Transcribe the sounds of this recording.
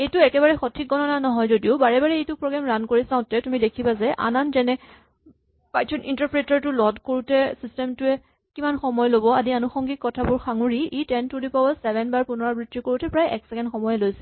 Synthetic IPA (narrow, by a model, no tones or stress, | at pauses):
ejtʊɛkɛβaɹɛxɔtʰik̚ɡɔnɔnanɔɦɔjzodiʊbaɹɛbaɹɛejtʊpɹoɡamɹankoɹisãʊ̃tɛtumidekʰibazɛʔa̰nanzɛnɛ | pajtʰɔnintaɹpɹetɔɹtʊlɔdkoɹutɛsistɛmtʊɛ | kimanxɔmɔjlobɔadianuxɔŋɡikːɔtʰabʊɹxaŋuɹiitɛntudipɔwɔsɛbɛnbaɹpunɔɹabɹitːikoɹutɛpɹajʔɛ̰ksɛkɛndxɔmɔjɛlojsɛ̥